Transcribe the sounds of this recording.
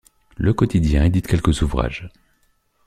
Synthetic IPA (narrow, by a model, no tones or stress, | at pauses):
ləkɔt̪id̪jɛ̃ed̪it̪kʲɛlkʲəzuvʁa̰ʒ